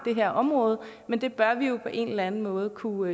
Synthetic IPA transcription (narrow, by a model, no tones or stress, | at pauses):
d̥e̝ɦeɐʔɒ̽mʁɔ̽ːð̞̩ˠ | mend̥e̝b̥ɶɐʋijo̝pʰɒ̽ʔe̝ːnlænn̩mɔ̽ːð̞̩ˠkʰu